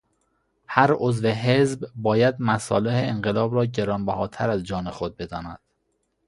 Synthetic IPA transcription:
hæɾozveɦezbbɒːjæd̪mæsɒ̰ːleheeŋɢelɒːbɾɒːɟe̞ɾɒːnbæhɒːt̪ʰæɾæzd͡ʒɒːnexod̪̚be̞d̪ɒ̰ːnæ̰d̪̥

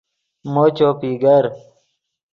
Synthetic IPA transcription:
moːt͡ɕoːpiɡɐɾ

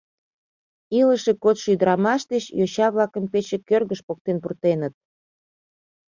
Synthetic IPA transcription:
iləʃekot̪ʃyd̪əɾɑmɑʃd̪et͡ɕjoɕɑβlɑkəmpet͡ɕekørɣəʃpok̚t̪enpurt̪enət̪̚

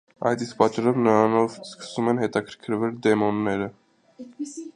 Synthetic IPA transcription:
ɑ̰jt̪is̚pɑt͡ʃɑɾɔvnəɾɑnɔvskə̥sumɛnɦɛt̪ɑkʰəɾkʰəɾvɛld̪ɛmɔnːɛɾə

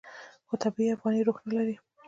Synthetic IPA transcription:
xot̪ʰabiafɣɑniɾoxnalaɾi

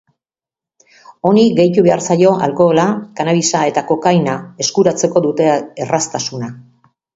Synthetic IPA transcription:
o̞niɡe̞jt̪uβe̞aɾsajo̞ʔa̰lko̞ːlakanaβisae̞t̪ako̞kajnae̞skuɾat͡se̞ko̞ðut̪e̞ːrast̪asuna

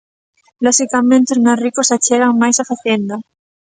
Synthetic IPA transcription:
loxikamẽnt̪eoznarikosat͡ʃeɣaŋmajsafaθend̪a

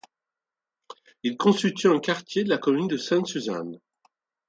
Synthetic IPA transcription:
ilkɔ̃sylt̪ʰyɛ̃kaʁt̪jed̪əlakɔmynd̪əsɛ̃t̪syza̰n

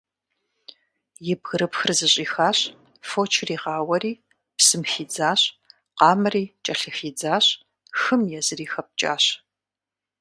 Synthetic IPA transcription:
jɪbɣɨɾɨpxɨrzɨɕʼiːxaːɕ | foːt͡ʃʰriːʁɑːwɐɾiː | psɨmxiːd͡zaːɕ | qɑːmɨriːt͡ʃʼɐɬɨxiːd͡zaːɕ | xɨmjɛzɨriːxɐp̚t͡ʃʼa̰ːɕ

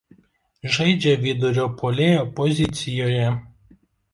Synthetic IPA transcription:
ʒɐɪd͡ʒʲɛʋʲid̪ʊɾʲoːpʰolʲeːjoːpɔzʲɪt̪sʲɪjoːjɛ

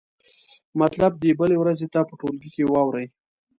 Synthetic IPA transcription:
mat̪lab̚d̪ebəlewɾazet̪apəʈolɡikewɑwɾəj

